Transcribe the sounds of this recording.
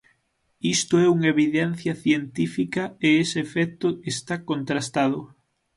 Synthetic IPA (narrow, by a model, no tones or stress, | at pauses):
ist̪ʊɛuŋeβiðɛn̟θjɐθjent̪ifikɐeesɪːfɛk̚t̪ʊest̪akont̪ɾast̪að̞ʊ